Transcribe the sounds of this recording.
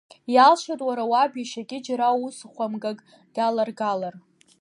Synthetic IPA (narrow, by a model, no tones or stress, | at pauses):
jalʃʷatʼwaɾawabjaʃaɡʲʼɪd͡ʒaɾausχʷamɡakʼ | d̥alarɡalar